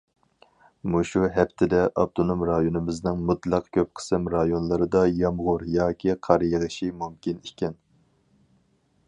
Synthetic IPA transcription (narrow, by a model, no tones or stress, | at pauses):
muʃuɦɛpt̪ʰɪd̪ɛʔɑb̚t̪ʰonomɾɑjonɨmɪznɨŋmut̪lˠɑqkʲʰøp̚qʰə̥sɨmɾɑjonlˠɨɾɨd̪ɑjɑmʁʊɾjɑːkʲʰiqʰɑɾjeʁɨʃimumkʲinikʲɛn